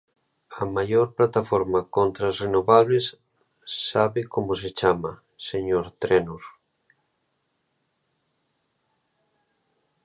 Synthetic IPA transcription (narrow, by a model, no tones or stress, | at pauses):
ɐmajoɾplat̪afɔɾmakont̪ɾasrenoβaβ̞lesː | aβɪkomoset͡ʃamɐ | seɲoɾt̪ɾɛnos